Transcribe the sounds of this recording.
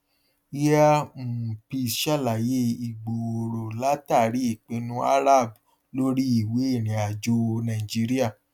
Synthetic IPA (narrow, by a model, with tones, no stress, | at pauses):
i˦a˦m̩̃˨pi˧˦˨ʃa˦˨la˨je˦i˨ɡ͡bo˨o˨ɾo˨la˦ta˦˨ɾi˨˦i˦˨k͡pẽ˧˦nũ˦a̰˦ɾa˦˨b | lo˦ɾi˦i˨we˨˦e˦˨nĩ˨˧˦a˨d͡ʒo˦˧nã˨ĩ˨d͡ʒi˦ɾi˦a˦˨